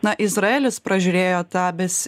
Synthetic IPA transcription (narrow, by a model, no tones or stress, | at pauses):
nɐʔɪzɾɐeːlʲɪspɾɐʒʲʊɾʲeːjoːt̪ʲæːbʲɛsʲ